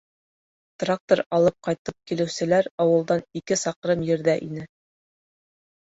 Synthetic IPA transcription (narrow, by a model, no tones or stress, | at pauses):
t̪rak̚t̪oɾɑlˠɤp̚qɑjt̪ɤp̚kilɘ̆wsɘ̆læɾɑwɤ̆lˠd̪ɑnikɘsɑqɾɤmjɘ̆ɾðæʔinɘ